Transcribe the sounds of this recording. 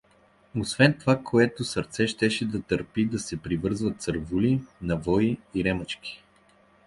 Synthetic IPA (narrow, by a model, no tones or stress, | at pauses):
osvɛnt̪ovakʰoɛt̪osəɾt̪sɛʃt̪ɛʃɛd̪ɐt̪əɾpid̪ɐsɛpɾivɤɾzvət̪səɾvulinɐvɔiiɾɛmət͡ʃkʲi̥